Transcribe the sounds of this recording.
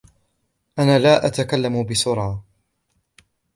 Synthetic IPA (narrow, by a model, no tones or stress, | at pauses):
ʔanaːlaːʔat̪akalːamʊbɪsʊɾˤɑː